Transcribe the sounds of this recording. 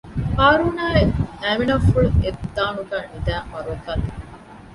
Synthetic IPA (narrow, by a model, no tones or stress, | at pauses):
kaːɾuːnaːeæminɐfuɭued̪ːaːnuɡæːnid̪æːmɐɾuɐt̪ɐn